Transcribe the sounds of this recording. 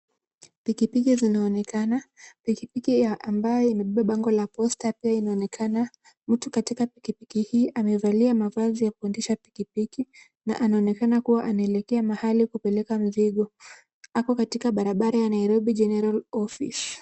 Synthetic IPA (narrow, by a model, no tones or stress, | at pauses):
pikipikizinaɔnɛkanapikipikiaambajɔimɛɓiɓaɓaŋɡɔlapɔstapiainaɔnɛkʰana | m̩tukatikapikipikihiːʔamɛvaliamavazijakuɛndɛʃapi̥kipiki | na̰ʔanaɔnɛkanakuwaʔanaɛlɛkɛamahalikupɛlɛkam̩ziɠɔ | akɔkatikaɓaɾaɓaɾajanaiɾɔɓiʄɛnɛɾalɔfḭs